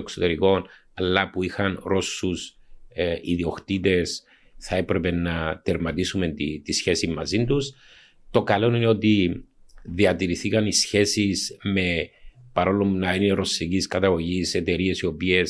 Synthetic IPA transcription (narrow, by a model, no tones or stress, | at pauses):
eksot̪e̞ɾiko̞n | ɐlːɐpuixɐnɾo̞sːus | iðio̞kt̪it̪e̞s | θɐe̞pɾe̞pe̞nːɐt̪eɾmɐt̪isume̞nt̪it̪isçe̞simːɐzind̪us | t̪o̞kɐlo̞nine̞o̞t̪i | ðiɐt̪iɾiθikɐnisçe̞sisme̞pɐɾo̞lːomnɐinineɾo̞sːiciskɐt̪ɐɣo̞ʝise̞t̪e̞ɾie̞sio̞pie̞s